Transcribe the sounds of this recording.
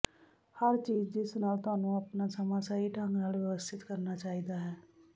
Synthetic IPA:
həɾt͡ʃiːd͡ʒd͡ʒɪsnaːlt̪ʊaːnũːəpnaːsəmãːsaːiːʈʰãːŋɡnaːlʋɪʋəst̪ʰɪt̪kəɾnaːt͡ʃaːiːd̪aːɦɛː

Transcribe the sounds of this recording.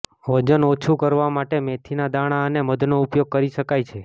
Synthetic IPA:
ʋəd͡ʒənot͡ʃʰukəɾʋamaʈemet̪ʰinad̪aɽ̃aəneməd̪ʱnoupjoɡ̚kəɾiʃəkajt͡ʃʰe

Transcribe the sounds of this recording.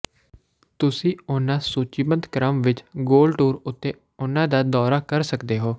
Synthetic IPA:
t̪ʊsĩːʊnãːsuːt͡ʃiːmənd̪kɾəmʋɪt͡ʃɡoːlɖʈuːɾʊt̪ːeː | ʊnãːd̪aːd̪ɔːɾaːkəɾsəkd̪eːɦoː

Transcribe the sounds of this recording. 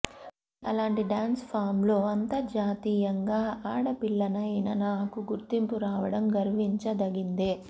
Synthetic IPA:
ɐ̰laːɳʈiɖaːnspʰaːɾmlo̞ːɐnt̪ɐd͡ʒaːt̪iːjɐŋɡaːaːɽɐpiɭːɐnɐɐnɐnaːkuɡuɾt̪impuɾaːʋɐɽɐmɡɐɾʋiɲt͡ʃɐd̪ɐɡind̪eː

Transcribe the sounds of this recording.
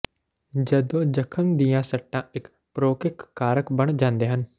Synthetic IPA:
d͡ʒəd̪õːd͡ʒəkʰəmd̪ijãːsəʈːãːɪk | pɾoːkɪkːaːɾəkbəɳ̃d͡ʒãːnd̪eːɦən

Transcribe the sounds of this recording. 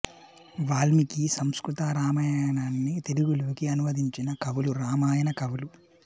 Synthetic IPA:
ʋaːlmikisɐmskɾut̪aːɾaːmɐjaːnaːnːit̪eluɡuluːkiɐnuʋɐd̪ʱiɲt͡ʃinɐkɐʋuluɾaːmaːjɐnɐkɐʋulu

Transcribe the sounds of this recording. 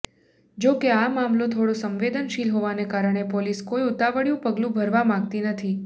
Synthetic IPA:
d͡ʒokeamamlot̪ʰoɽosəmʋed̪ənʃilɦoʋanekaɾəɳ̃epoliskojut̪aʋəɽjũpəɡlũbʱəɾʋamãɡ̚t̪inət̪ʰi

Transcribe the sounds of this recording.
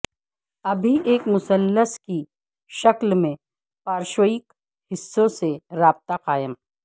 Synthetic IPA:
ɐbʱiʔeːkmʊsəlːəski | ʃɐklmẽ | paːɾʃoɪk | hɪsːõseɾaːb̚t̪aqaːjəmɦɛ

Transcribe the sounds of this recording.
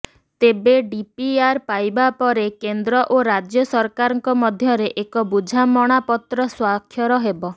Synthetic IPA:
t̪ebeɖipiaɾpajbapɔɾekend̪ɾɔʔoɾad͡ʒjɔsɔɾkaɾɔŋkɔmɔd̪ʱjɔɾeʔekɔbud͡ʒʱamɔɽ̃apɔt̪ɾɔswakʰːjɔɾɔɦebɔ

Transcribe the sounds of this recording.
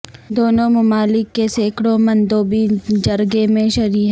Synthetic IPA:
d̪oːnõmɐmaːlɪkːeseːkɽõmɐ̃nd̪oːbid͡ʒɐɾɡemẽʃɐɾiːɦ

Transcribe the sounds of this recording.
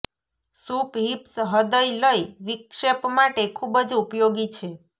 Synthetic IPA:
supɦipsɦəd̪əjləjʋikʃepmaʈekʰubəd͡ʒupjoɡit͡ʃʰe

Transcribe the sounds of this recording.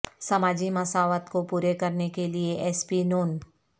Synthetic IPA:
sɐmaːd͡ʒimɐsaːʋət̪kopuːɾekɐɾnekelieʔɛːspinoːn

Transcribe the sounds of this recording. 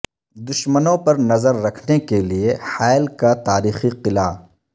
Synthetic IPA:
d̪ʊʃmənõpɐɾnɐzəɾːɐkʰnekeliehaːɪlkat̪aːɾiːxiqɪla

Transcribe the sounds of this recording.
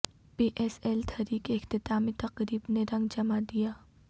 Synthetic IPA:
piːʔɛːsɛːlt̪ʰɐɾiːkeɪxt̪ɪt̪aːmẽt̪ɐqɾiːbneɾɐ̃ŋɡd͡ʒɐmad̪ijaː

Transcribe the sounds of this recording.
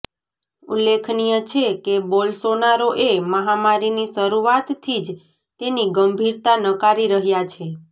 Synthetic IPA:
ṵlːekʰnijət͡ʃʰekebɔlsonaɾoʔeməɦamaɾinisəɾuʋat̪t̪ʰːid͡ʒ | t̪eniɡəmbʱiɾt̪anəkaɾiɾəɦjat͡ʃʰe

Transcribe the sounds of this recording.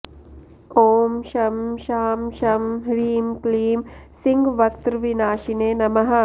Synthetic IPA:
oːmʃɐmʃaːmʃɐmɦɾiːmkliːmsiŋɡʋɐkt̪ɾʋinaːʃineːnɐmɐɦɐ̆

